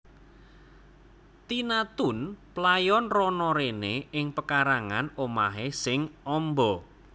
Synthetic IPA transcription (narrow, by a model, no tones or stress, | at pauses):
t̪inat̪ʊnplajɔnrɔnɔɾeneɪŋpəkaɾaŋanomaɦesɪŋɔmbɔ